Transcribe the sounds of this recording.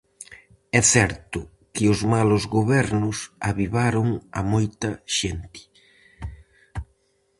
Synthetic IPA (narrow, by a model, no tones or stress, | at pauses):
ɛθɛɾt̪ʊ | kɪʊzmalʊzɣoβɛɾnʊsaβiβaɾʊŋa̰mojt̪ɐʃent̪ɪ̥